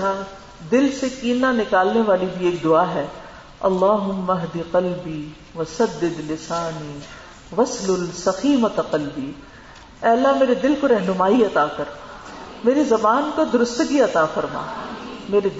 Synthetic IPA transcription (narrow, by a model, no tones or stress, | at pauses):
a | d̪ɪlsekiːnanɪkaːlneʋaːlibʱieːk̚d̪ʊaɦɛː | ɐ̰lːaːɦʊmːɐɦd̪iqɐlbiː | ʋɐsɐd̪ːɪd̪lɪsaːniː | ʋɐslʊlsɐxiːmɐt̪ɐqɐlbiː | ɛːɐlːaɦmeːɾed̪ɪlkoɾɛɦnʊmaːiɐt̪aːkɐɾ | meːɾizɐbaːnkod̪ʊɾʊst̪əɡiɐt̪afɐɾma̰ːmeːɾe